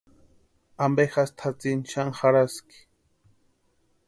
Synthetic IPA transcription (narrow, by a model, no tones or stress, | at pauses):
ambexast̪ʰat͡sɪnʃaŋxaɾaskɪ̥